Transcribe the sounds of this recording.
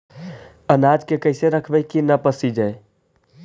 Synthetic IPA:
ənaːd͡ʒkekəɪseɾəkʰbəkinəpəsid͡ʒae

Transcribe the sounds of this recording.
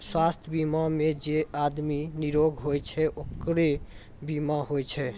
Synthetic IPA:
swast̪ʰbimamed͡ʒead̪miniɾoɡʱɦojt͡ʃʰɛʔokɾe | bimaɦojt͡ʃʰɛ

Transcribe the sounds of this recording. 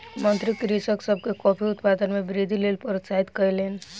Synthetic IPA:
mənt̪ɾikɾisəksəb̚ʱkekɔpʰiut̪pad̪ənmebɾid̪ʱilelpəɾit̪t͡ʃaɦit̪kəjlen

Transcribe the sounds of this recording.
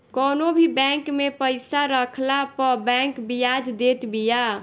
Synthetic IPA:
kɔnobʱibɛ̃ŋkmepəɪsaɾəkʰlapəbɛ̃ŋkbijad͡ʒd̪et̪bija

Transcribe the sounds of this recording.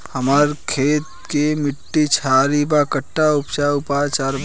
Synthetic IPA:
həməɾkʰet̪̚kemiʈːit͡ʃʰaɾibakəʈːaupt͡ʃaupat͡ʃaɾ

